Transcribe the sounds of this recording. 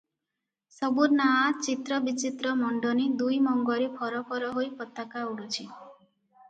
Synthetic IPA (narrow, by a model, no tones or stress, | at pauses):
sɔbuɾnaat͡ʃit̪ɾɔbit͡ʃit̪ɾɔmɔɳɖɔnid̪ujmɔŋɡɔɾipʰɔɾɔpʰɔɾɔɦojpɔt̪ːakauɽɔt͡ʃʰi